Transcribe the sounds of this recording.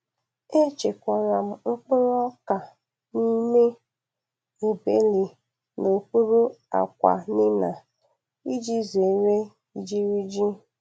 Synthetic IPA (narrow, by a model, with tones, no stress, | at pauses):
e˦t͡ʃe˨kʷɔ˨ɾa˨m̩˨ŋ͡m̩˦k͡pʊ˦ɾɔ˦ka˨ | ni˦me˦ | e˨be˦li˨ | no˨ku˦ɾu˦a̰˨kʷa̰˨nɪ˦na˨ | i˦d͡ʒi˦ze˨ɾe˦ | i˨d͡ʒi˦ɾi˦d͡ʒi˦